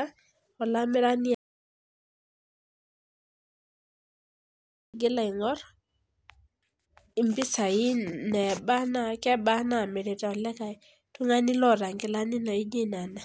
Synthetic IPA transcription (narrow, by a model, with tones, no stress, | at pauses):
a˦ | ɔ˨la˦mɪ˦ɾa˦nɪ˦˨ | ɡɪ˦la˨ɪ˨ŋɔ˦ɾ | i˨mbɪ˦sa˨i˦nɛ˨ba˦na˦kɛ˦ba˦na˦˨mɪ˨ɾe˨tɛ˨ɔ˨lɛ˦ka˨i˨ | tu˦ŋa˦nɪ˦lɔ˦ɾa˨ŋɡɪ˨la˦nɪ˦na˨i˦d͡ʒe˦n˨a˨na˨